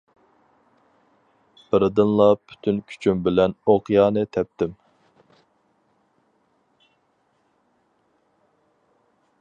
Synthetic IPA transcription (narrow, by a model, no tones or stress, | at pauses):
bəɾɨd̪ɨnlˠɑpʰy̥t̪ʰynkʲʰy̥t͡ʃʰymbɪlɛnoqjɑːnɨt̪ʰɛp̚t̪ɪm